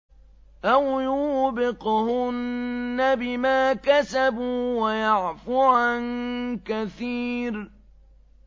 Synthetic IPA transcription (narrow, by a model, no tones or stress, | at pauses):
ʔawjuːbɪqhʊnːabɪmaːkasabuːwajaʕfʊʕankaθiːɾ